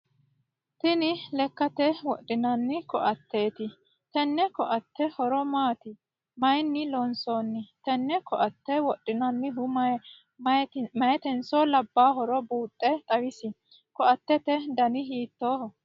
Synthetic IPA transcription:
t̪ɪnɪlɛkːɐt̪ɛwɔɗːɪnɐnːɪkɔʔɐt̪ːe̞ːt̪ɪ | t̪ɛnːɛkɔʔɐt̪ːɛhɔɾɔmaːt̪ɪ | mɐjnːɪlɔnsoːnːɪt̪ɛnːɛkɔʔɐt̪ːɛwɔɗːɪnɐnːɪɦʊmɐ | mɐjɛt̪ɛnsolɐbːaːɦɔɾɔbuːt̪ʼːɛt̪ʼɐwɪsɪ | kɔʔɐt̪ːɛt̪ɛd̪ɐnɪɦiːt̪ːoːhɔ

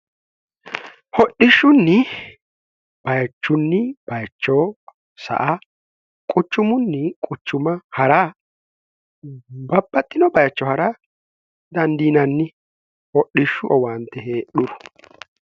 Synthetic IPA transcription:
hɔɗɪʃːʊnːɪ | b̥ɐjɐt͡ʃːʊnːɪb̥ɐjt͡ʃːɔ | sɐ̰ʔa | kʼʊt͡ʃːʊmʊnːɪkʼʊt͡ʃːʊmɐhɐɾaː | bɐbːɐt̪ʼːɪnɔbɐjɐt͡ʃːɔhɐɾa | d̪ɐnd̪iːnɐnːɪ | hɔɗɪʃːʊʔɔwɐnt̪ːɛheːɗʊɾɔ̥

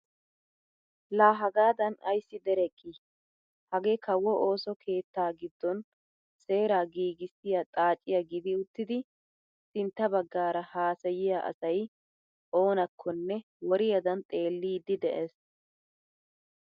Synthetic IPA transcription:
laːɦɐɡaːd̪ɐnɐ̰jsːɪd̪ɛɾɛkʼːi | hɐɡeːkʰɐwːɔʔoːsɔkʰe̞ːt̪ːaːɡɪd̪ːɔn | se̞ːɾaːɡiːɡɪsːɪjat̪ʼaːt͡ʃʼːɪjɐɡɪd̪ɪʊt̪ːɪd̪ɪ | sɪnt̪ːɐbɐɡːaːɾɐhaːsɐjɪjaʔɐ̰sɐj | ʔo̞ːnɐkʰːɔnːɛ | wɔɾɪjɐd̪ɐnt̪ʼe̞ːlːiːd̪ːɪd̪ɛʔes

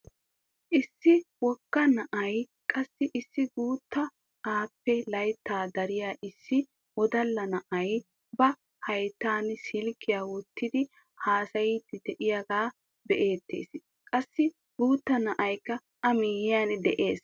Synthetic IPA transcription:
ʔɪsːɪwɔkːɐnɐʔɐj | kʼɐsːɪʔɪsːɪɡuːt̪ːɐ | ʔaːpːɛlɐjt̪ːaːd̪ɐɾɪjaːʔɪsːɪ | wɔd̪ɐlːɐnɐʔɐj | bɐ | hɐjt̪ːaːnsɪlkːɪjaːwɔt̪ːɪd̪ɪ | haːsɐjiːt̪ːɪd̪ɛʔɪjaɡaː | bɛʔe̞ːt̪ʰːḛːs | kʼɐsːɪ | ɡ̥uːt̪ːɐnɐʔɐjkːɐ | ɐmiːjɪjaːnd̪ɛʔe̞ːs

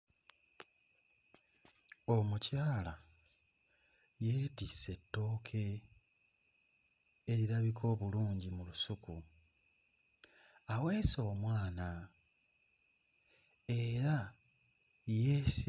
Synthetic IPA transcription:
o̞mucaːla | jeːtisːe̞tːo̞ːkʰe̞ | eɾiɾaβikʰo̞ːβuluːɲɟimulusuku | awe̞ːso̞ːmwaːna | e̞ɾa | jes

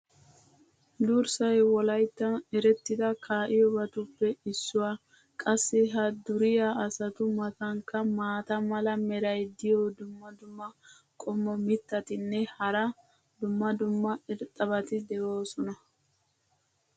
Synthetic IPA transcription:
d̪uɾsɐjwɔlɐjt̪ːɐnɛɾɛt̪ːɪd̪ɐkʰaːʔɪjɔbɐt̪ʊpːɛɪsːʊwaː | kʼɐsːɪɦɐd̪ʊɾɪjaɐsɐt̪ʊmɐt̪ɐŋkːɐmaːt̪ɐmɐlɐmɛɾɐjd̪ɪjɔd̪ʊmːɐd̪ʊmːɐ | kʼɔmːɔmɪt̪ːɐt̪ɪnːɛhɐɾɐ | d̪ʊmːɐd̪ʊmːɐɛɾt̪ʼːɐβɐt̪ɪd̪ɛʔoːsɔnɐ

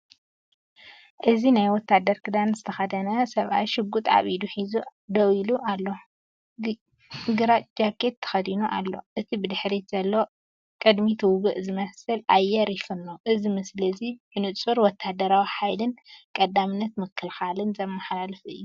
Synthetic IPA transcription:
ʔɨzinajwɔt̪ʰːad̪ɐɾkʰɨd̪anzɨt̪ʰɐxɐd̪ɐnɐsɐβʔa̰jʃɨɡːut̪ʼʕa̰βid̪uħizud̪ɐwiluʔalːo̞ | ɡɨɾad͡ʒakʰːet̪ʰːɐ̥xɐd̪inuʔa̰lːo̞̰ʔɨt̪ʰibɨd̪ɨħɾit̪z̥ɐlːo̞ | kʼɨd̪mit̪ʰɨwɡɨʔzɨmɐsɨlʔajːɛɾifɨnːoʔɨzimɨslɨzibɨnɨt͡sʼuɾwɔt̪ʰːad̪ɐɾawiħajlɨnkʼɐd̪amɨnːɐt̪mɨkʰːɨlxalɨnzɐmːaħlalɨfɨ̰jːu

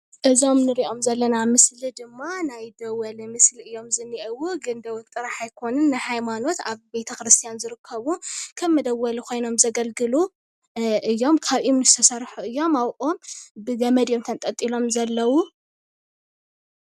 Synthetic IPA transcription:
ʔɨzo̞mnɨɾiʔo̞mzɐlːɐnamɨslid̪ɨmːanajd̪ɐwːɐlimɨsliɨjːo̞mzɨnːiʔɐwuɡɨnd̪ɐwut̪ʼɨɾaħajkʰo̞nɨnːajhajmano̞t̪aβbe̞t̪ʰɐkɾɨst̪ʰijanzɨɾɨkʰːɐβukʰɐmːɐd̪ɐwːɐlikʰo̞jno̞mzɐɡɐlɡɨlu | ʔɨjːo̞mkʰaβʔimnɨst̪ʰɐsɐɾħuɨjːo̞mawʔʼombɨɡɐmɐd̪jo̞mt̪ʰɐnt̪ʼɐt̪ʼːilo̞mzɐlːɐwu

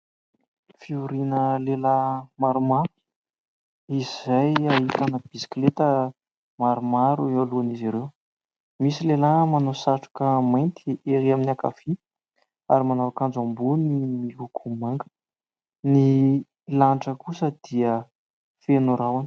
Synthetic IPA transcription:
fiuɾinəlelamaɾumaɾu | izizajaɦit̪anəb̥isi̥klet̪ə | maɾumaɾuealuaniziɾew | misilelamanosaʈ͡ʂu̥kəmajnt̪ʰieɾiaminaka̰fi | a̰ɾimanawakand͡zambunimiɦukʰumaŋɡə̥ | ni | laɳʈ͡ʂəkusəd̪̥iə | fenuɾawani̥

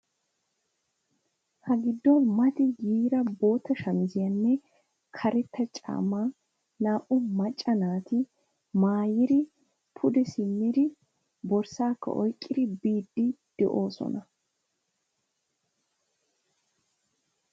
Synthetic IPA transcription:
hɐɡɪd̪ːɔmɐt̪ɪɡiːɾɐbo̞ːt̪ːɐʃɐnzɪjɐnːɛ | kʰɐɾɛt̪ːɐt͡ʃʼa̰ːmaː | naːʔʊmɐt͡ʃʼːɐnaːt̪ɪ | maːjɪd̪ɪ | pʰʊd̪ɛsɪmːɪd̪ɪ | bɔɾsaːkːɐ̰ʔɔ̰jkʼːɪd̪ɪbiːd̪ːɪd̪̥ɛʔo̞ːsɔ̰nɐ

